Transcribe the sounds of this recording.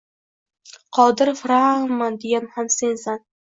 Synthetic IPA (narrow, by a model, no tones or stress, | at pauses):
qʰɒd̪ɪɾfɾamand̪ejamhamse̞nsan